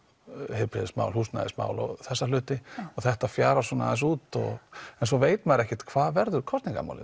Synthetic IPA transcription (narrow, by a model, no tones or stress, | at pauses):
hɪpɾɪðɪsma̰ːwlhuːsna̰ðɪ̰sma̰ːwlɔ̰ɣθɛsːalʏːt̪ɪɔɣθɛht̪afjaːɾasɔna̰ðɪsuːt̪ɔ̰ɣɛnsɔveːjt̪maɾɛhcɪt̪kʰvaːðvɛɾðʏɾkʰɔst̪niŋka̰ma̰wlɪ̰